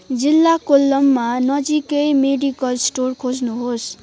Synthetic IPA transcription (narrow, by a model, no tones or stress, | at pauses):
d͡zilːakolːʌmːanʌd͡zikʌjmeɖikʌlsʈorkʰod͡znuɦos